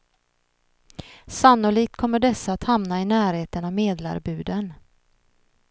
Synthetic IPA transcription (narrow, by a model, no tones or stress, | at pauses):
sanːʊliːk̚t̪̚kʰɔmːəɖɛsːaːt̪hamnaɪnæːɾheːt̪əɳameːd̪la̰ɾbʉ̟ːd̪ən